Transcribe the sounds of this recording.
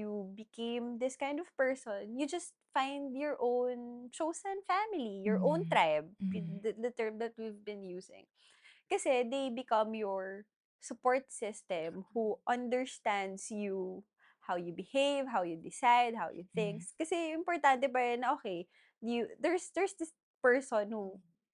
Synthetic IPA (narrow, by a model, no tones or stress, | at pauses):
jubɪkʰẽjmd̪ɪskãjnd̪ɔv̥pɛɹsɔ̃njud͡ʒɐst̪̚fãɪnd̪jɔɹʔõwnt͡ʃowsɐ̃nfæmɪlijɔɹʔõʊ̃nt̪ɹaɪb̚d̪d̪ɐt̪ɛɹmd̪ɐt̪̚wivbɪ̃njuːsɪ̰̃ŋ | kɐsɛd̪ejbɪkʌ̃mjɔɹ | sʊpɔɹt̪̚sɪst̪ɛmhuʔɐ̃nd̪ɛɹst̪æ̃nd̪sju | hawjubɪhejvɦawjud̪ɪsajd̪̚hawjṵθɪ̃ŋkskɐsɛʔɪ̃mpɔɹt̪ant̪ɛpaɾɛnɐʔoːkej | jud̪ɛɹsd̪ɛɹsd̪ɪs | pɛɹsɔ̃nhu